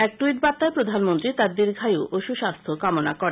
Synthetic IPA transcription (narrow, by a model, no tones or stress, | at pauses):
ɛk̚ʈuiʈ̚bat̪ːaepɾod̪ʱanmont̪ɾit̪aɾd̪iɾɡʱajoʔʔoʃuʃast̪ʰokamona̰kɔɾe